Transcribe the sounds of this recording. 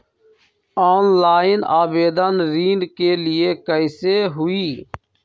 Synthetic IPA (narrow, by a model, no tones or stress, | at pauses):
aːnlaːɪnaːbeːd̪ənɾiːnkeːlɪeːkəɪseːɦʊiː